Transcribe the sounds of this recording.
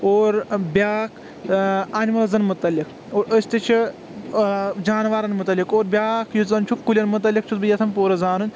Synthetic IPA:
oːɾbʲaːkʰ | anʲmɐlɐzɐnmut̪ɐlːik | oːɾəsʲt̪it͡ʃʰi | d͡ʒaːnʋaːɾɐnmut̪ɐlːikoːɾbʲjaːkʰjut͡sɐnt͡ʃʰukːulʲɐnmut̪̬ɐlʲːik̚t͡ʃʰut̪̚bɨjɐt̪ʰɐmpoːɾɐzaːnunʲ

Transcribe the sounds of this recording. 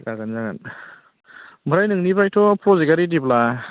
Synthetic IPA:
kaɡanzaŋa̰n | mɯɾajnɯŋnibajtʰɔpʰɾɔziɡaɾidibla

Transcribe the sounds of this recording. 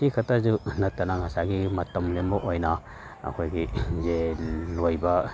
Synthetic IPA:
sikʰɐtazunɐt̪ːanaŋasaɡimɐtɐmlembɔʔojna | ɐ̰kʰojɡizelojba

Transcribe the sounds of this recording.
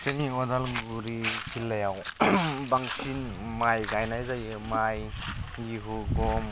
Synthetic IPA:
seniɔdalŋɡuɾikʰilːajawbaŋsin | majɡajnajzaj | majiɦuɡɔm

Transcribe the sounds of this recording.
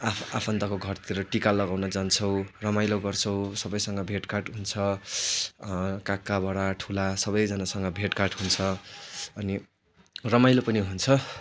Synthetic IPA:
aapʰʌnt̪akoɡʱʌrt̪ʰiɾʌʈikalʌɡawnʌd͡zant͡sʰʌw̃rʌmajloɡʌrt͡sʰʌw̃sʌbʌjsʌŋɡʌbʱeʈkaʈɦunt͡sʰʌ | kakːabaɽaʈʰulasʌbʌjd͡zʌnasʌŋɡʌbʱeʈkarʈɦunt͡sʰʌʌni | rʌmajlopʌniɦunt͡sʰʌ

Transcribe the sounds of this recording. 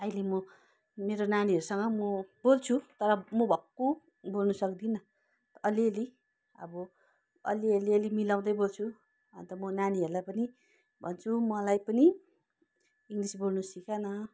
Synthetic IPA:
ʌjlemʌ | meɾonaniɦʌɾusʌŋɡʌmʌbolt͡sʰut̪ʌɾʌmʌbʱʌkːo | bolnusʌkd̪inʌ | t̪ʌʔʌliʌli | ʌ̰bʌ | ʌ̰liʌliʌlimilaw̃d̪ʌjbolt͡sʰu | ʌ̰nt̪ʌmʌnaniʌɾulajpʌni | bʱʌ̰nt͡sʰumʌlajpʌni | iŋɡlisbolnusikanʌ

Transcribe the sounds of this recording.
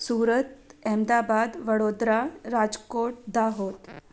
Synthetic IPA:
suːɾət̪ɛmd̪abad̪ʋəɽod̪ɾaɾad͡zkoʈ̚d̪aɦot̪

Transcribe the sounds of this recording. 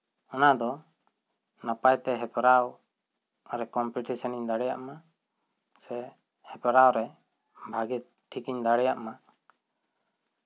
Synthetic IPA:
ɔnad̪ɔ | napajt̪ɛɦɛpɾaw | ɾɛkɔmpiʈisɔniɲd̪aɽɛja̰ʔma | sɛ | hɛpɾawɾɛ | bʱaɡit̪̚ | ʈʰikiɲd̪aɽɛjaʔma

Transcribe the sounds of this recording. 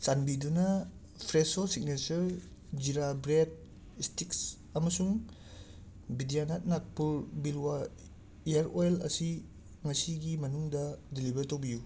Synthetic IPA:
sanbidunɐ | pʰɾesosik̚net͡ʃɐɾ | d͡ʒiɾabɾed̚ | istik̚s | ɐmɐsuŋ | bidijanat̚nak̚pulbilwa | ijaɾojlɐ̰si | ŋɐsiɡimɐnuŋdɐdilibɐɾtowbiju

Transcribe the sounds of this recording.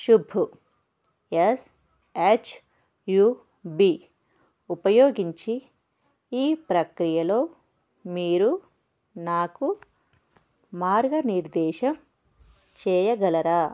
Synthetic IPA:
ʃubʱu | es | eːt͡ʃʰ | juː | biː | upɐjoːɡiɲt͡ʃi | iːpɾɐkɾijɐlo̞ː | miːɾu | naːku | maːɾɡɐniɾd̪ɛːʃɐm | t͡ʃɛːjɐɡɐlɐɾaː

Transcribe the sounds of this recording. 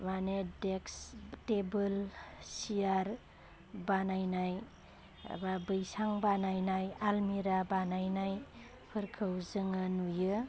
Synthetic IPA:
manedekstebɯlsijaɾ | banajnaj̰ | babɯjsaŋbanajnajalmiɾabanajnaj | pʰɯɾkʰɯwzɯŋɯnujɯ

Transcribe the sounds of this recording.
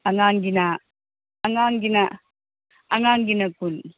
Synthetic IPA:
ʔaŋaŋɡɪnaː | ŋaŋɡɪna | ʔaŋaŋɡinakʊn

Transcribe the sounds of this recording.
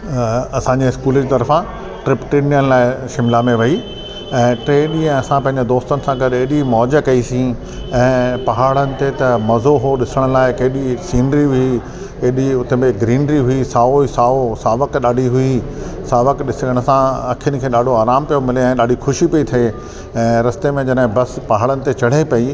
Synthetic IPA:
ɐsãɲd͡ʑeɪskuːld͡ʑit̪ɐɾfã | ʈɾɪpʈeːnijənɪ̆laːɪʃɪmlamẽʋɐi | ɛ̃ːʈɾeːɗiɛ̃ɐsãpɐ̃ɦɪ̃ɲd͡ʑed̪oːst̪ənɪ̆sãɡɐɗɐɦɗimɔːd͡ʑə̆kɐisĩ | ɛ̃ːpɐɦaːɽənɪ̆t̪et̪ɐmɐzoɦoɗɪsəɽ̃ʊ̆laːɪkɐɦɪɗisiːnɾiɦʊi | eɗiʊt̪ebeɡɾiːnɾiɦʊisaːoisaːosaːʋəkɗaːɖʱiɦʊisaːʋəkɗɪsəɽ̃əsãɐkʰiənɪ̆kʰeːɗaːɖʱoaːɾaːmpijomɪleɛ̃ːɗaːɖʱixʊʃipɐit̪ʰɐe | ɛ̃ːɾɐst̪emẽd͡ʑɐnɦɪ̃bɐspɐɦaːɭənɪ̆t̪et͡ɕɐɽ̤epɐi

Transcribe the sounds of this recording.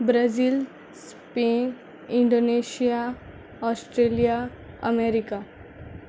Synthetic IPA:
bɾəziːl | s | pen | iɳɖoneɕija | ɔsʈɾelija | ə̰meɾika

